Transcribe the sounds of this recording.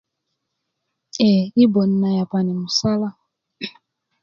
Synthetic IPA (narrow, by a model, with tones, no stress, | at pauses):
ɛ˨i˦bɔ˨n̩˦na˨ja˨pa˨nɛ˨mu˨sa˦la˦